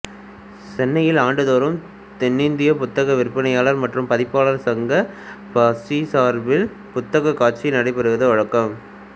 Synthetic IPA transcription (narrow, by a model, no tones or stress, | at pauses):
sɛnːɐjɪlaːɳɖɯðoːɾɯm | t̪ɛnːɪnd̪ɪjɐpʊt̪ːɐɣɐʋɪɾpːɐnɐjaːlɐɾmɐʈrɯmpɐðɪpːaːɭɐɾsɐŋɡɐpɐsisaːɾbɪl | pʊt̪ːɐɣɐkːaːʈ̚t͡ʃinɐɽɐɪpɛɾɯʋɐðɯʋɐɻɐkːɐm